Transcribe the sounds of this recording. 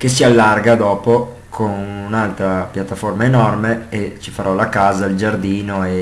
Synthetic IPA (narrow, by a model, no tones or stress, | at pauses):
kes̬ialːarɡad̪ɔːpo | kʰonunalt̪ɾapjat̪ːaformaenɔrmeet͡ʃi̥faɾɔlakaːzaild͡ʒard̪iːnoe